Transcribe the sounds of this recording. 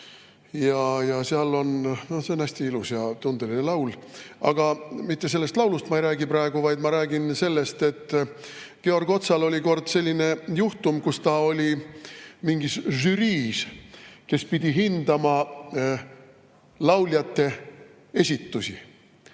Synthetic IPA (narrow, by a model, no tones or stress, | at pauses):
jɑjɑseɑlːo̞nnose̞onæsʲt̪iilusjɑt̪und̪̥e̞linelɑwlɑ̰ɡ̥ɑmit̪ːe̞se̞lːe̞st̪lɑwlust̪mɑejɾæːɡipɾɑe̞ɡ̥uvɑjd̪mɑɾæːɡinse̞lːe̞st̪e̞t̪ː | ke̞o̞rɡ̥o̞t̪sɑlo̞lʲiko̞rd̪̥se̞lʲːine̞juht̪umkust̪ɑo̞lʲi | miŋɡisʒyɾiːske̞spid̪ʲiɦind̪ɑmɑ | lɑwljɑt̪ːe̞ | e̞sʲit̪ːusi